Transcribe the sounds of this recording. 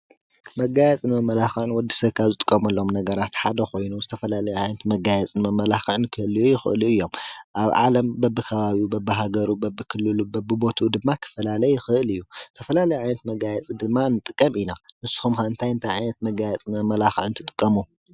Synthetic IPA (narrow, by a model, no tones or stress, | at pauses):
mɐɡajɛt͡sʼɨnmɐmɐlaxɨʕɨnwɔd̪ːi̥sɐβkʰazɨt̪ʼɨ̥kʼːɐmɐlːo̞mnɐɡɐɾat̪ħad̪ɐxo̞jnuzɨt̪ʰɐfɐlalɐjuʕajnɐt̪mɐɡajɛt͡sʼɨnmɐmːɐlaxɨʕɨnkʰɨɨlujujɪxɨ̰ʔɨluɨjːo̞mʔaβʕa̰lɐmbɐbːɨkʰɐβaβiubɐbːɨɦaɡɐɾubɐbːɨkʰɨlːɨlubɐbːɨbo̞t̪ʰud̪ɨmːakʰɨ̥fɐlalɐjɪxɨʔɨlɨjːuzɨt̪ʰɐfɐlalɐjuʕajnɐt̪mɐɡajɛt͡sʼid̪ɨmːanɨt̪ʼɨkʼːɐminamɨsːxumxaɨnt̪ʰajɨnt̪ʰajʕajnɐt̪̚mɐɡajɛt͡sʼɨnmɐmɐlaxʕnt̪ʰɨt̪ʼɨ̥kʼːɐmu